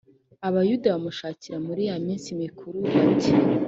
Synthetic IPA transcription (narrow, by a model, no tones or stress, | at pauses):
aβajudaβamuʃaːciɾamuɾijamiːnsimikʰuɾuβatʰe